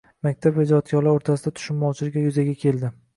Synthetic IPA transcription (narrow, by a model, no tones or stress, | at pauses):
mak̚ʲt̪ʰapvad͡ʒɒt̪kʰɒlaoɾt̪ʰasɪd̪at̪ʰʊ̥ʃɪmmɒwt͡ʃʰɪlɪɡʲajʊzaɡʲakʲʰe̞ld̪ɪ